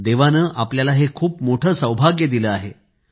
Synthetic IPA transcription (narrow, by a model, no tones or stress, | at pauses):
d̪eʋanəːʔapljalaɦekʰuːpmoʈʰəːsə̃wbʱaɡjəd̪iləːaɦe